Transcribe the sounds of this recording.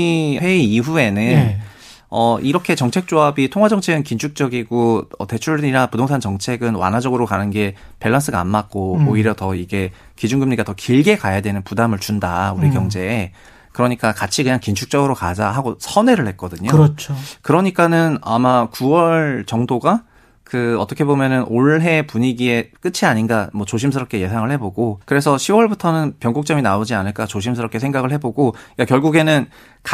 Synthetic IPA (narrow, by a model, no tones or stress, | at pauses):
ɸe̞iiɸue̞nɯn | ʌʔiɾʌkʰe̞t͡ɕʌŋt͡ɕʰe̞k̚t͡ɕ͈oabitʰoŋɦwad͡ʑʌŋt͡ɕʰeɡɯnkint͡ɕʰuk̚t͡ɕ͈ʌɡiɡoʌ̰te̞t͡ɕʰuɭɲiɾapudʰoŋsʰant͡ɕʌŋt͡ɕʰe̞ɡɯnwa̰nɦad͡ʑʌɡɯɾokanɯnɡe̞pe̞ɭːans͈ɯɡaa̰nmak̚k͈ooiɾjʌtʌiɡe̞ | kid͡ʑunɡɯmɲiɡatʌkiɭɡe̞kajadwe̞nɯnpudamɯɭt͡ɕundauɾikjʌŋd͡ʑe̞ː | kɯɾʌɲik͈akat͡ɕʰikɯɲaŋkint͡ɕʰuk̚t͡ɕ͈ʌɡɯɾokad͡ʑaɦaɡosʰʌne̞ɾɯɭhe̞t̚k͈ʌdɯɲoɾt͡ɕʰkɯɾʌɲik͈anɯnamakuwʌɭt͡ɕʌŋdoɡa | kɯʌt͈ʌkʰe̞bomjʌnɯnoɭɦe̞puɲiɡie̞k͈ɯt͡ɕʰiaɲinɡamwʌt͡ɕoɕʰimsʰɯɾʌp̚k͈e̞je̞sʰaŋɯɭhe̞boɡokɯɾe̞s̬ʰʌɕʰiwʌɭbutʰʌnɯnpjʌŋɡok̚t͡ɕ͈ʌminaod͡ʑianɯɭk͈at͡ɕoɕ̬ʰimsʰɯɾʌp̚k͈e̞sʰe̞ŋɡaɡɯɭhe̞boɡoik͈akjʌɭɡuɡe̞nɯn | k